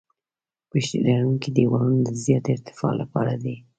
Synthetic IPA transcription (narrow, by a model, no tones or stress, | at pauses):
piʃilaɽuŋkid̪əjiwɑɾunod̪əzjɑt̪ɪɾt̪ɪ̥fɑ̰lʔapɑ̰ɾad̪i